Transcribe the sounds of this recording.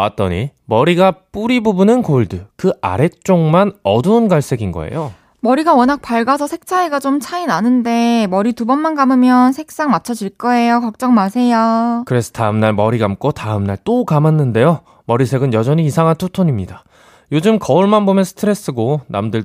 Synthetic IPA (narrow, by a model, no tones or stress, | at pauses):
a̰t͈ʌɲimʌɾiɡap͈uɾibubunɯnkoɭdɯkɯa̰ɾe̞k̚t͡ɕ͈oŋmanʌduːnɡaɭs͈e̞ɡinɡʌ̰e̞̰jo | mʌɾiɡawʌnak̚paɭɡasʰʌsʰe̞k̚t͡ɕʰaeɡat͡ɕomt͡ɕʰainanɯnde̞mʌɾitubʌnmanɡamɯmjʌnsʰe̞k̚s͈aŋmat͡ɕʰʌd͡ʑiɭk͈ʌe̞jokʌk̚t͡ɕ͈ʌŋmasʰe̞jokɯɾe̞sʰʌ̥taɯmnaɭmʌɾiɡamk͈otaɯmnaɭt͈okamanːɯnde̞jo | mʌɾisʰe̞ɡɯnjʌd͡ʑʌɲiːsʰaŋɦantʰotʰoɲimɲida | jod͡ʑɯmkʌuɭmanbomjʌnsʰɯ̥tʰɯɾe̞s͈ɯɡona̰mdɯɭ